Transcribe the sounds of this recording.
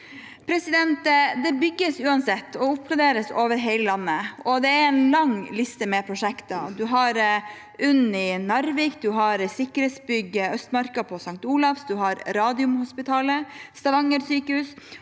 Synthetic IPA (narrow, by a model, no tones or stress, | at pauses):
pʰɾɛsɪd̪ɛnt̪d̪ɛbʏɡːəsʉːɑnsɛt̪ːɔʊpklɑd̪eːɾəsoːʋəɾɦɛɪləlɑnːəɔd̪ɛæɾɛnlɑŋlɪst̪əmɛpʰɾʊʂɛkt̪ɑd̪ʉɦɑɾ | ʔʉnːɪnɑɾʋɪkd̪ʉɦɑɾsɪkːəɾɛːt̪sbʏɡːəœst̪mɑɾkɑpʰɔsɑŋt̪uːlɑfsd̪ʉɦɑɾɾɑːd̪ɪʊmhʊspɪt̪ʰɑːləst̪ɑʋɑŋːəɾsyːkəhʉːs